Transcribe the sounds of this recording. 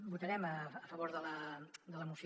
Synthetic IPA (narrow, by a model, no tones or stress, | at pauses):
but̪əɾɛməːfəβoɾðələd̪ələmus